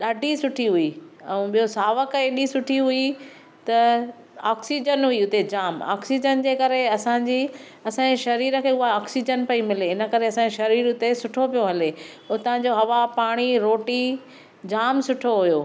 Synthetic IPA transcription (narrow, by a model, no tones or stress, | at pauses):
ɗaːɖʱisʊʈʰiɦʊiɛ̰̃ɓijosaːʋəkeːɗisʊʈʰiɦʊi | t̪ɐ | aːksid͡ʑənɦʊiʊt̪ed͡ʑaːma̰ːksid͡ʑənd͡ʑeːkɐɾeɐsãːɲd͡ʑi | ɐsãːɲeʃɐɾiːɾə̆kʰeːʊɦaaːksid͡ʑənpɐimɪleɪnə̆kɐɾeɐsãːɲeʃɐɾiːɾʊt̪esʊʈʰopijoɦɐle | ʊt̪ɐɦãɲd͡ʑoɦɐʋapaːɽ̃iɾoːʈi | d͡ʑaːmsʊʈʰoɦʊjoː